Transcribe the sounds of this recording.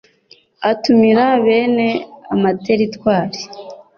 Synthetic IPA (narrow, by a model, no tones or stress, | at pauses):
atumiɾaβe̞ːne̞a̰mateɾitwaːɾi̥